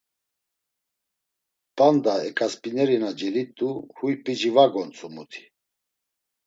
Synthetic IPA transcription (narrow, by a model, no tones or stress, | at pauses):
pʼand̪aɛkʼaspʼinɛɾinad͡ʒɛlit̪ʼuhujpʼid͡ʒivaɡɔnt͡sʼumut̪ʰi̥